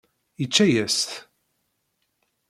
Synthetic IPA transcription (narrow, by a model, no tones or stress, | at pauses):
jət͡ʃːæjæst̪